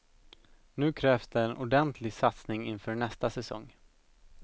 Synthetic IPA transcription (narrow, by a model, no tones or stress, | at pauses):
nʉ̟ːkʰɾɛːfsd̪ɛːnʔʊɖɛnt̪ʰlɪɡsat̪snɪŋɪnfœːɳɛst̪asɛsɔ̰ŋː